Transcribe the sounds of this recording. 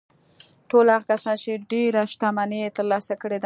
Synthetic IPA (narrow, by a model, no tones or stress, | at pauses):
ʈolhaɣakasɑnt͡ʃeɖeɾaʃt̪amanet̪əɾlɑsakəɽed̪a